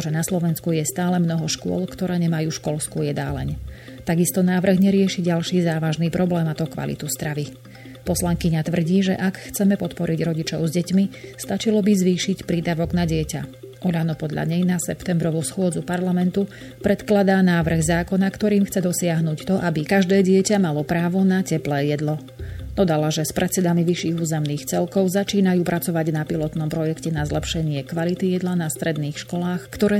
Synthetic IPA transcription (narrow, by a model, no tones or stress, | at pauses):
ʒɛnaslɔʋɛnskujɛst̪aːlɛmnɔɦɔʃkʊɔ̰lkt̪ɔɾɛːɲɛmajuːʃkɔlskujɛd̪aːlɛ̰ɲ | t̪aɡist̪ɔnaːʋr̩ɣɲɛɾɪɛʃiɟalʃiːzaːʋaʒniːpɾʔɔblɛːmat̪ɔkʋa̰lḭt̪uzd̪ɾaʋi | pɔslaŋkiɲat̪ʋr̩ɟiːʒɛ̰ʔakxt͡sɛmɛpɔt̪pɔɾiɟɾɔɟit͡ʃɔʊzɟɛcmist̪at͡ʃilɔbizʋiːʃicpɾiːd̪aʋɔɡnaɟɪɛca̰ʔɔʎanɔpɔd̪ʎa̰ɲɛjnasɛpt̪ɛmbɾɔʋusxʊɔd͡zupaɾlamɛnt̪u | pɾʔɛt̪klad̪aːnaːʋr̩ɣzaːkɔnakt̪ɔɾiːmxt͡sɛd̪ɔsɪaɦnuːct̪ɔʔabikaʒd̪ɛːɟɪɛcamalɔpɾaːʋɔnacɛplɛːjɛd̪lɔ | d̪ɔd̪alaʒɛspɾʔɛt̪t͡ssɛd̪amiʋiʃiːɣuːzɛmniːxt͡sɛlkɔʊzat͡ʃiːnajuːpɾʔat͡sɔʋaɟnapilɔt̪nɔmpɾɔjɛkcɛnazlɛpʃɛɲɪɛkʋalit̪ijɛd̪lanast̪ɾɛd̪niːxʃkɔlaːxkt̪ɔɾɛː